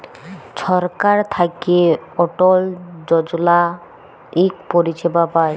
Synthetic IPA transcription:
ʃɔɾkaɾt̪ʰakeɔʈold͡ʑɔd͡ʑola | ikpoɾit͡ɕʰebapae

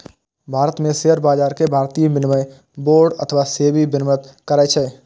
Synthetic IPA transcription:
bʱaːɾət̪mẽseɦəɾbaːd͡ʒaːɾkebʱaːɾt̪ijbɪnmə̃ | boːɾɖə̰t̪ʰəʋaseːbibɪnmət̪kəɾaːt͡ʃʰɛ

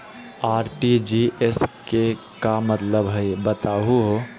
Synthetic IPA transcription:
aːɾʈid͡ʒiʔeske | kamət̪ləbɦəjbət̪aɦuɦo

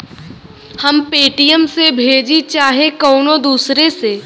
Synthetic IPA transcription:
hɐmpeːʈijəmsebʱeːd͡ʒit͡ʃaːɦekɔːnod̪uːsɾeseː

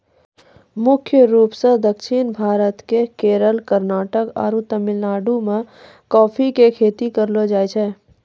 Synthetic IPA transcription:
mʊkʰjəɾuːpsed̪əkʃinbʱaːɾət̪kekeːɾəlkəɾnaːʈəka̰ːɾut̪əmɪlnaːɖumẽ | kɔːpʰikekʰeːt̪ikəɾlod͡ʒaːjt͡ʃʰɛː

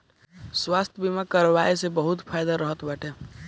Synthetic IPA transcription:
swast̪ʰjəbimakəɾʋajsebəɦut̪pʰajd̪aɾəɦət̪baʈʰe

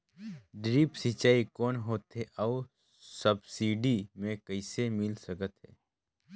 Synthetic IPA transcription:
ɖɾiːpsɪt͡ʃaːikɔːnɦoːt̪ɦɛʔɔw | səbsiːɖimẽkəɪsemɪlsəkət̪ɦɛ̰ː

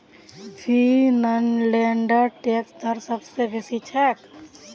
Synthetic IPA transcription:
fʰinənleːɳɖaʈeːksd̪ʱəɾsəbsebesit͡ʃʰɛk

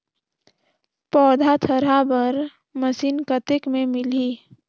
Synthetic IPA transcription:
pɔːd̪ʱat̪ʰəɾabəɾ | məsiːnkət̪ɪkmẽmɪliː

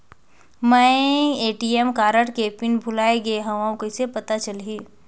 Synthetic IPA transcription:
mɛ̃eːʈiemkaːɾəʈkepɪnbʱʊlaːeɡeɦɐʋãõkoɪsepɐt̪at͡ʃɐlɦiː

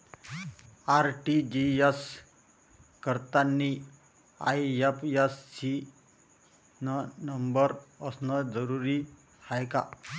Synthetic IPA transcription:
aɾʈid͡ʑijes | kəɾt̪anːi | a̰jjepjesːi | nənəmbəɾəsnəd͡zəɾuɾi | hajka̰

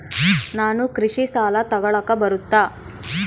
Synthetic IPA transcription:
naːnukɾiʂisaːlɐt̪ɐɡɐɭɐkːɐbɐɾut̪ːaː

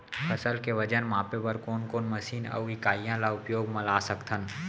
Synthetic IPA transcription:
pʰəsəlkeʋəd͡ʒənmãːpebəɾkoːnkoːnməsiːnə̰ʋɪkaːjãlaʊpjoːɡmɐlaːsəkt̪ʰən

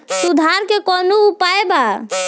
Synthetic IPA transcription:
sud̪ʱaɾkekɔnuupaeba

